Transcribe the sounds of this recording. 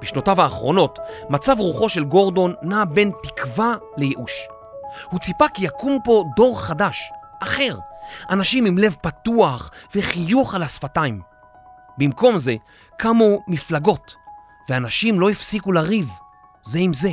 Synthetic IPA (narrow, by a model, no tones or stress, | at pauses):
b̥iʃno̞tavaːχʁo̞no̞tmat͡savʁuχo̞ʃe̞lɡo̞ʁdo̞nːabe̞ntikva | le̞jeʔuʃ | hut͡sipakjakumpo̞do̞ʁχadaʃʔaχe̞ʁʔanaʃimimle̞vpatuaχveχijuχalasfataim | bimko̞mze̞ | kamomiflaɡo̞t | veanaʃimlo̞ifsikulaʁiv | zeimze̞